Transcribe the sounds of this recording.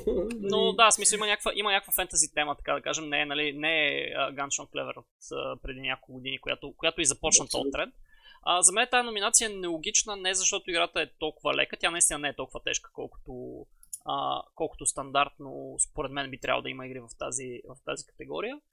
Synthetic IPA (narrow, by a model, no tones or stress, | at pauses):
nod̪asmisɐlˠimənʲakəkvəʔimənʲakvəfɛnt̪əzit̪ɛmət̪ɐ̥kad̪ɐkaʒɛmnɛɛnɐlinɛɛə̰ɡanʃɔnklɛ̰vɛ̰ɾot̪ə̰pɾɛd̪inʲakolˠkʊɡʊd̪inikʊja̰t̪okʊjat̪ʊizɐpɔt͡ʃnət̪ɔ̰t̪ːɾɛnəzɐmɛnɛt̪anominat̪sijəɛnɛlˠoɡʲit͡ʃnənɛɛzɐʃt̪ɔt̪ʊiɡɾat̪əɛt̪ɔlˠkʊvəlʔɛ̰kət̪ʲjanɐist̪inənɛɛt̪ɔlˠkʊvət̪ɛ̰ʃkə̥kɔ̰lˠkʊ̥t̪o | ə̰kɔlˠkʊ̥t̪ost̪ɐnd̪aɾt̪no̰spoɾɛd̪mɛnbit̪ɾʲa̰v̰l̰ˠd̪ɐiməiɡɾivɐft̪a̰zivɐft̪a̰zikɐ̥t̪ɛɡɔ̰ɾijə